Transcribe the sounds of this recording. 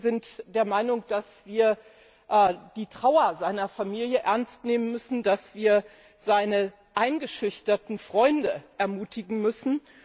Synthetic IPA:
zɪntd̥eːɐmaɪnʊŋd̥asv̥iːɐ | ʔd̥iːtʁ̥aʊɐzaɪnɐfamiːljəʔɛɐnstneːmənmʏsn̩dasv̥iːɐ | zaɪnə | ʔaɪnɡəʃʏçtɐtn̩fʁ̥ɔʏndəʔɛɐmuːtɪɡŋ̩mʏsn̩

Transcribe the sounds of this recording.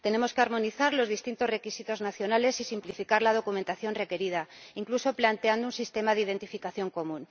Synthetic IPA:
t̪e̞ne̞mo̞skeaɾmo̞niθaɾlo̞zðist̪int̪o̞zre̞kisit̪o̞znaθjo̞nale̞sisimplifikaɾlað̞o̞kument̪aθjo̞nre̞ke̞ɾið̞aiŋkluso̞plant̪e̞and̪ounsist̪e̞maðeið̞e̞nt̪ifikaθjo̞ŋko̞mũn

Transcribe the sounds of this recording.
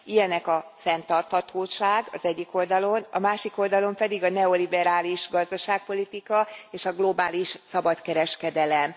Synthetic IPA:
ijɛnɛkɒfɛnt̪ɒrt̪hɒt̪ʰoːʃaːɡɒ̰zɛɟːiko̞ld̪ɒlo̞nɒ̰maːʃiko̞ld̪ɒlo̞mpɛd̪iɡɒnɛo̞libɛɾaːliʃɡɒzd̪ɒʃaːk̚po̞lit̪ikɒeːʃɒɡlo̞baːliʃsɒbɒt̪kɛɾɛʃkɛd̪ɛlɛm

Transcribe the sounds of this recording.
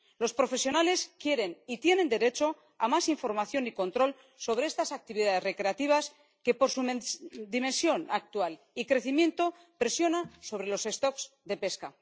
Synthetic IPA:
lo̞spɾo̞fe̞sjo̞nale̞skje̞ɾe̞nit̪je̞ne̞nd̪e̞ɾe̞t͡ʃo̞ | a̰masiɱfo̞ɾmaθjo̞niko̞nt̪ɾo̞l | so̞β̞ɾee̞st̪asak̚t̪iβiðaðe̞zre̞kɾe̞at̪iβ̞as | ke̞po̞ɾsumd̪ime̞nsjo̞nak̚t̪ual | ikɾe̞θimjẽ̞nt̪o̞ | pɾe̞sjo̞naso̞βɾe̞lo̞se̞st̪o̞kz̥ | d̪e̞pe̞ska

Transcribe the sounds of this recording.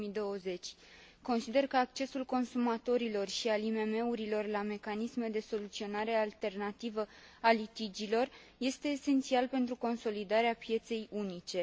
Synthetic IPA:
id̪o̞əze̞t͡ʃʲ | ko̞nsid̪e̞rkəak̚t͡ʃe̞sulko̞nsumat̪o̞ɾilo̞rʃialime̞me̞uɾilo̞rlame̞kanisme̞d̪e̞so̞lut̪sio̞naɾe̞alt̪e̞rnat̪ivə | alit̪id͡ʒilo̞r | je̞st̪e̞ːse̞nt̪sialpe̞nt̪ɾuko̞nso̞lid̪aɾeapje̞t̪se̞junit͡ʃe̞

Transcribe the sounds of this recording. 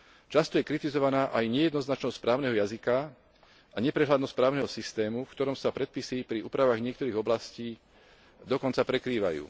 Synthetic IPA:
t͡ʃast̪ɔjɛkɾit̪izɔʋanaːʔajɲɛjɛd̪nɔznat͡ʃnɔsspɾaːʊnɛɦɔjazika | aɲɛpɾɛɦlad̪nɔst̪pɾaːʊnɛɦɔsist̪ɛːmufkt̪ɔɾɔmsapɾɛt̪̚pisipɾiuːpɾaʋaɣɲɪɛk̚t̪ɔɾiːɣɔblasciː | d̪ɔkɔnt͡sapɾɛkɾiːʋa̰jṵː

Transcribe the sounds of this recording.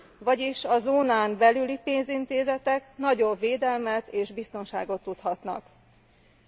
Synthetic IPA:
vɒɟiʃɒzoːnaːmbɛlylipeːnzint̪eːzɛt̪ɛknɒɟo̞bːeːd̪ɛlmɛt̪eːʒbist̪o̞nʃa̰ːɡo̞t̪ːut̪hɒt̪nɒ̰k

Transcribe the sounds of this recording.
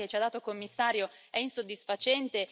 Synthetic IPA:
et͡ʃiad̪aːt̪okomːisːaːɾjo | ɛinsod̪ːisfat͡ʃɛnt̪e

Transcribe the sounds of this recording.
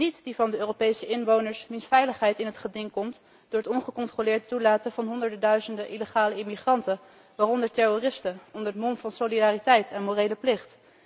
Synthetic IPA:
nitdivɑndəøːropejsəʔɪnʋownəɹsmɪnsfɛjləχɦɛjtɪnɦətχədɪŋkɔmt | d̥ʊːɹətɔnχəkɔntrolɪːɹdtulaːtəvɑnɦɔndəɹdədœɥzəndəʔiləχaːləɪmiχrɑntən | ʋaːrɔndəɹtɛrorɪstəɔndəɹtmɔnvɑnsolidaːritɛjtʰɛnmoːrejləplɪχt

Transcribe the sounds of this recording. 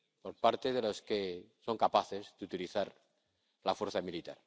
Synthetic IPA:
po̞ɾpaɾt̪e̞ð̞elo̞skeso̞ŋkapaθe̞zðut̪iliθaɾ | lafwe̞ɾθamilit̪a̰ɾ

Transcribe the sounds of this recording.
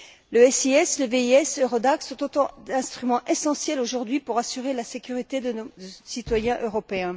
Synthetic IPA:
ləɛsiɛsləveiɛsøʁɔd̪aksɔ̃t̪ot̪ɑ̃d̪ɛ̃st̪χymɑ̃ʔesɑ̃sjɛloʒuʁd̪ɥipuʁasyʁelasekʲyʁit̪ed̪əosit̪wajɛ̃ʔøʁɔpeɛ̃

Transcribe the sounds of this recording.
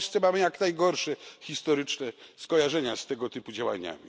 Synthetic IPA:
st̪sɛmamɘjaknajɡɔɾʂɛxʲist̪ɔɾɘt͡ʂnɛskɔjaʐɛɲast̪ɛɡɔt̪ɘpud͡ʑawa̰ɲa̰mʲi

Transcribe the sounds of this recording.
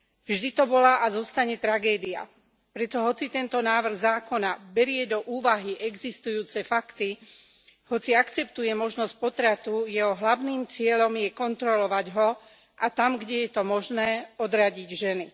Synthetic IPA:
vʒd̪it̪ɔbɔlaʔazɔst̪aɲɛt̪ɾaɡɛːd̪ia̰ | pɾɛt̪ɔɦɔt͡sit̪ɛnt̪ɔnaːʋr̩ɣzaːkɔnabɛɾɪɛd̪ɔʔuːʋaɦiʔɛɡzist̪ujuːt͡sɛfakt̪i | hɔt͡siakt͡sɛp̚t̪ujɛmɔʒnɔsc̚pɔt̪ɾat̪ujɛɦɔɦlaʊniːmt͡sɪɛʎɔmjɛkɔnt̪ɾɔlɔʋaɟɦɔ | ʔat̪amɡɟɛjɛt̪ɔmɔʒnɛːɔd̪ɾaɟiɟʒɛni

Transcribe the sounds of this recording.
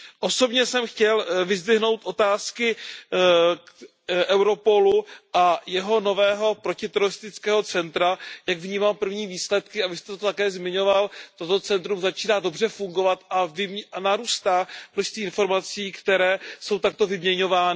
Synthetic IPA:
ʔo̞so̞bɲɛsɛmxcɛlvɪzd̪vɪɦno̞wt̪ʔo̞t̪aːskɪ | ʔɛwɾo̞po̞luʔajɛɦo̞no̞vɛːɦo̞pɾo̞cɪt̪ɛɾoɾɪst̪ɪt͡skɛːɦo̞t͡sɛnt̪ɾajaɡvɲiːmaːmpr̩vɲiːviːslɛt̪kɪavɪst̪ɛt̪ot̪akɛːzmɪɲo̞valt̪o̞t̪o̞t͡sɛnt̪ɾumzat͡ʃiːnaːdo̞br̝ɛfuŋɡo̞vat̪ʔavɪmnaɾuːst̪aːmnoʃst̪viːɪnfo̞ɾmat͡siːkt̪ɛɾɛːso̞wt̪ak̚t̪o̞vɪmɲɛɲo̞vaːnɪ

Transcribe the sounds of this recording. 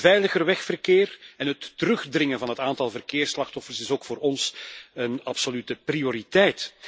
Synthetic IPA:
vɛjləɣərʋɛxfərkeːrɛnɦətːəɾɵxdrɪŋənvɑnɦətaːntɑlˠvərkeːrslɑxtɔfərsɪsoːkfoːɾɔnsənɑpsolytəprioɾitɛjt

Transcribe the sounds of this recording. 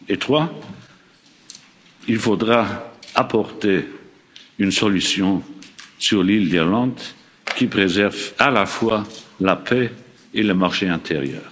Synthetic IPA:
et̪χwa | ilfod̪ʁaapʰɔʁt̪e | ynsɔlysjɔ̃syʁlild̪ilɑ̃d̪ | kʲipχezɛʁvalafwalapʰɛ | eləmaʁʃeɛ̃t̪ʰeʁjœ̰ːʁ

